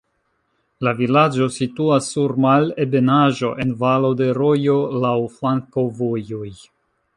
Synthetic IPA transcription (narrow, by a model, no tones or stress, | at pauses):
lavilad͡ʒo̞situasːuɾmale̞be̞naʒo̞ʔe̞nvalo̞de̞ɾo̞jo̞lawflaŋko̞vojoj